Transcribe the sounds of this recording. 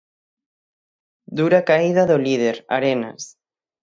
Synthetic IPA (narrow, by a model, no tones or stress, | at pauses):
d̪uɾakaiðaðolið̞eɾa̰ɾena̰s